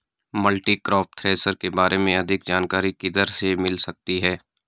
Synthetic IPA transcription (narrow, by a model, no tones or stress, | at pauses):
məlʈikɾɔːp̚t̪ʰɾeːsəɾkebaːɾʔemẽɐd̪ʱɪk̚d͡ʒaːnkaːɾikɪd̪əɾsemɪlsɐk̚t̪iɦɛː